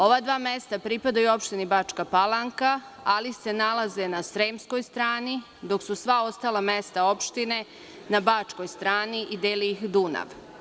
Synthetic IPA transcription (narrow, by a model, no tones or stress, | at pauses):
o̞ʋad̪ʋaːme̞st̪apɾipad̪ajuo̞pʃt̪inibaːt͡ʂkapalaŋka | alise̞nalaze̞nasɾemsko̞jst̪ɾaːni | d̪o̞ksusʋao̞st̪aːlˠame̞st̪ao̞pʃt̪ine̞ | nabaːt͡ʂko̞jst̪ɾaːniʔid̪eːliixd̪una̰ʋ